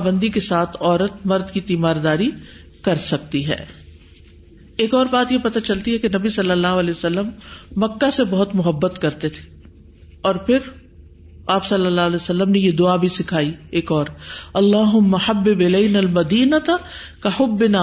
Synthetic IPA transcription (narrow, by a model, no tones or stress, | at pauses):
bə̃nd̪ikesaːt̪ʰɔːɾət̪mɐɾd̪kit̪iːmaːɾd̪aːɾi | kɐɾsɐk̚t̪iɦɛ̰ː | eːkɔːɾbaːt̪jepɐt̪at͡ʃɐlt̪iɦɛkenɐbisɐlːəlːaːɦʊɐlɛːsɐlːəmːɐkːasebɐɦʊt̪mʊɦəbːət̪kɐɾt̪et̪ʰe̥ | ɔːɾpʰɪɾ | aːpsɐlːəlːaːɦʊlɛːsɐlːəmnejed̪ʊabʱisɪkʰaːieːkɔːɾɐlːaːɦʊmːɐħɐbːɪbɪlɐɪnalmɐd̪iːnət̪kɐħʊbːɪnaː